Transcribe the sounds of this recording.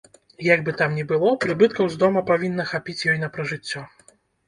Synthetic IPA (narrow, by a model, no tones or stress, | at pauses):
jaɡ̚bɨt̪amnʲɛbɨlˠɔpɾɨbɨt̪̚kɐwzd̪ɔmɐpavʲinːɐxapʲit͡sʲjɔjnɐpɾɐʐɨt͡sʲːɔ